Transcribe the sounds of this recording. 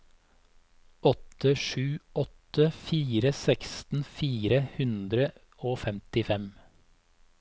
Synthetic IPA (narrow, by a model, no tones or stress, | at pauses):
ɔt̪əʃʉːɔt̪əfiːɾəsɛkst̪n̩fiːɾəhʉnd̪ɾə | oːfɛmt̪ɪfɛm